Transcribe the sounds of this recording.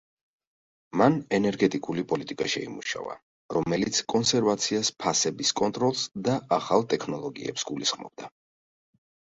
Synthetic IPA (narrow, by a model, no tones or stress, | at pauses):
manɛnɛɾɡɛt̪ʼikʼulipʼɔlit̪ʼikʼaʃɛimuʃa̰va̰ | ɾɔmɛlit̪sʰkʼɔnsɛɾvat̪sʰiaspʰasɛbiskʼɔnt̪ʼɾɔlˠsd̪aaχalˠt̪ʼɛkʰnɔlˠɔɡḭɛ̰psɡulisχmɔ̰b̥̚d̪a